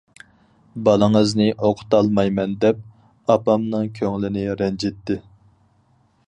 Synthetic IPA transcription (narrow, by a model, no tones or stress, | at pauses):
bɑlˠəŋəznɪʔoqʰʊ̥t̪ɑlˠmɑjmɛnd̪ɛp̚ | ɑpɑmnɨŋkʲʰøŋlɪnɪɾɛnd͡ʒet̪ːɪ